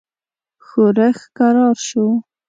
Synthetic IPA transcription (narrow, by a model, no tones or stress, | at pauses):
xoɾəxkaɾɑɾʃo